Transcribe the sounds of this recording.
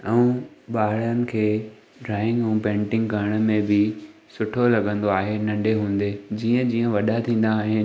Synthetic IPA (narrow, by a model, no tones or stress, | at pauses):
ɛ̃ũɓaːɽənɪ̆kʰeː | ɖɾaːɪ̃ŋɡɛ̃ũpẽːɳʈɪ̃ŋɡkɐɾəɽ̃ə̆mẽbɪsʊʈʰolɐɠə̃nd̪oaːɦenɐ̃ɳɖeɦũːn̆d̪eːd͡ʑiːə̃d͡ʑiːə̃ʋɐɗat̪ʰĩːn̆d̪aːɦɪn